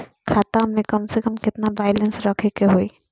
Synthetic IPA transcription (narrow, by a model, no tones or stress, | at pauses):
kʰaːt̪amẽkɐmsekəmkɪt̪naʋaːɪlə̃nsɾɐkʰekeɦoːi